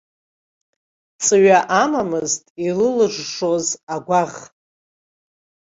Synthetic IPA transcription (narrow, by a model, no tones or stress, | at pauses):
t͡sʼɨɥaʔamamɨztʼilɨlɨʐʂo̞zaɡʷaʁ